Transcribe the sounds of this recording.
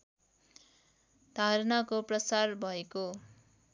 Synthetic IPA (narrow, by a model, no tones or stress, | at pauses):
d̪̥ʱaɾnakoprʌsarbʱʌeko